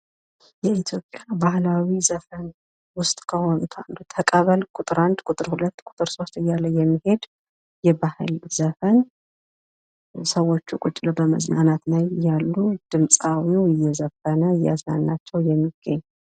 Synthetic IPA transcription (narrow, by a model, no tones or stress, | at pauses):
jɛit̪ʰjo̞pʼːjabahlawizəfən | wʊst̪ʼkʰəho̞nut̪ʰa̰nd̪ut̪ʰəkʼəβəlkʼʊt̪ʼɨɾand̪kʼʊt̪ʼɨɾhulət̪ːkʼʊ̥t̪ʼɨɾso̞st̪ɨjːalːəjjɛmːihe̞d̪ | jɛbahɨlzəfən | səwo̞t͡ʃːukʼʊt͡ʃʼːləbəmə̰znanat̪najjalːud̪̥ɨmsʼawiwɪjːɛzəfənəɨjːa̰snanːat͡ʃːɛwjɛmːiɡ̥əɲː